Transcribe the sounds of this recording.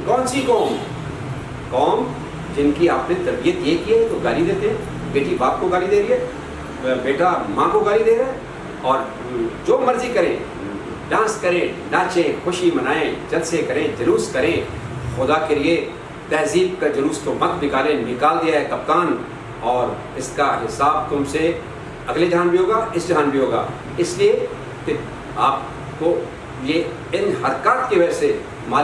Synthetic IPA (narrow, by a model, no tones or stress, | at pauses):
kɔ̃ːnsikɔːm | kɔːm | d͡ʒɪnkiaːpnet̪ɐɾbijət̪jekiɦɛt̪oɡaːlid̪eːt̪eɦɛ̃ː | beːʈibaːp̚koɡaːlid̪eːɾiɛː | beːʈamãkoɡaːlid̪eːɾaːɛ | ɔːɾ | d͡ʒoːmɐɾzikɐɾẽ | ɖãːskɐɾẽɖaːt͡ʃẽxʊʃimɐnaːẽd͡ʒɐlsekɐɾẽːd͡ʒɐluːskɐɾẽ | xʊd̪akelie | t̪ɛːziːb̚kad͡ʒɐluːsk̪omɐt̪nɪkaːlẽnɪkaːld̪ijaɦɛkɐp̚kaːn | ɔːɾ | ɪskaɦɪsaːb̚t̪ʊmse | ɐɡled͡ʒaːnbʱiɦoːɡaɪsd͡ʒɦaːnbʱiɦoːɡa̰ː | ɪslie | ke | aːp̚ | ko | je | ɪnhɐɾkaːt̪keʋɐse | maː